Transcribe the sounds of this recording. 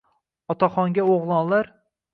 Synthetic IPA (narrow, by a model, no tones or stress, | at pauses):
ɒt̪ʰaχɒŋɡʲaoʁlˠɒnlaɾ